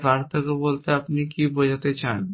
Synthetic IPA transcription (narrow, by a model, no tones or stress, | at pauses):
baɾt̪akebolt̪eapnikibod͡ʑat̪et͡ɕan